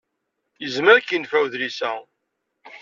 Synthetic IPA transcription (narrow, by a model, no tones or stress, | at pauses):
jəzməɾkənfæwðɾisæ